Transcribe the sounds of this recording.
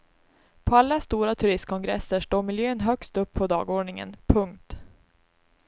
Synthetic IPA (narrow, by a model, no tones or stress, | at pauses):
pʰɔalːast̪uːɾat̪ʰɵɾɪst̪̚kʰɔŋɡɾɛsːəʂʈoːmɪljøːnɦœkst̪ɵpʰːɔd̪ɑ̰ːɡoːɖɳɪŋə̰npʰɵŋk̚t̪